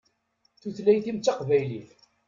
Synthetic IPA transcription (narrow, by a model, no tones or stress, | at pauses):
θuθlæjθimt͡sːɑqvæjliθ